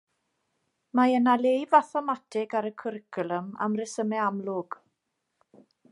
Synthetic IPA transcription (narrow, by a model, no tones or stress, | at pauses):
maənalejvaθɔmatʰɪɡaɾəkʰʊɾɪkʰʊlˠəma̰mrɪsəmɛamlʊɡ̥